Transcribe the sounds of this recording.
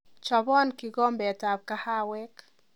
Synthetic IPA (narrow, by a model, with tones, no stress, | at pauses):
t͡ʃɔ˨bɔ˦nki˨ɡɔ˦mbɛ˨ta˨b̚ka˦ha˦wɛ˦k